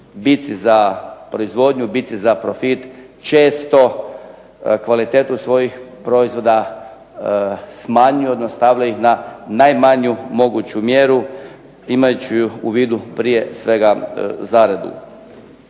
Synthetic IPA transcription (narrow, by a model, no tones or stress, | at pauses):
bit̪sizapɾo̞izʋo̞d̪ɲubit̪sizapɾofit̪t͡ʃe̞ːst̪o̞ | kʋalit̪eːt̪usʋo̞jixpɾo̞izʋo̞d̪a | smaɲujod̪nast̪aːʋʎaixnanajmaɲumo̞ɡut͡ɕumjeːɾu | imajt͡ɕuuuʋiːd̪upɾije̞sʋe̞ɡazaɾed̪ṵ